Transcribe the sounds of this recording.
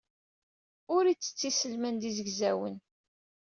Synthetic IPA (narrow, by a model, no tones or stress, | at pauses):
ʊɾit͡sːə̥t͡sːisəlmænd̪izəɡzæwə̰n